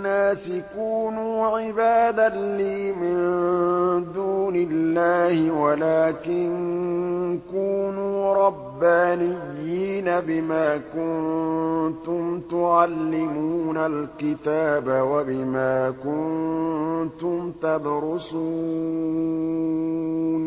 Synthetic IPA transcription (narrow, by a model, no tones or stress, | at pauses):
aːsɪkuːnuːʕɪbaːd̪aliːmɪn | d̪uːnɪlːaːhɪwalaːkɪn | kuːnuːɾˤɑbːaːnɪjːiːnabɪmaːkʊn | t̪ʊmt̪ʊʕalːɪmuːnalkɪt̪aːbawabɪmaːkʊn | t̪ʊmt̪ad̪ɾʊsu | n